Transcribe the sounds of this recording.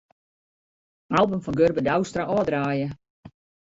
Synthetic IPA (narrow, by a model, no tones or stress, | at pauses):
alˠbəmfɔnɡørbədawstraʔɔːdraːjə